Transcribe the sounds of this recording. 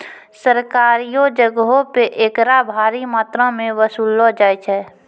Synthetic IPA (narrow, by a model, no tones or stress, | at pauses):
səɾkaːɾijod͡ʒəɡopeʔeːkɾabʱaːɾimaːt̪ɾãmẽʋəsuːlːɔd͡ʒaːjt͡ʃʰɛː